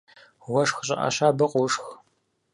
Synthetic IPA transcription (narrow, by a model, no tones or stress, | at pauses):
wɐʂxɕʼɐʔɐ̰ɕaːbɐqʷʼuʂx